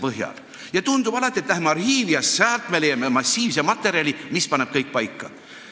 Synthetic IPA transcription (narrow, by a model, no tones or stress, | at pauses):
pɤɦjɑ̰l | jɑt̪und̪ub̥ɑlɑt̪ːˑiet̪ːlæɦhemɑrhiːvijɑssæːlt̪ˑmelejɑmemɑsʲːiːvsemɑt̪ːˑe̞ɾiɑlʲimispɑne̞b̥kɤjk̚pɑjkːɑ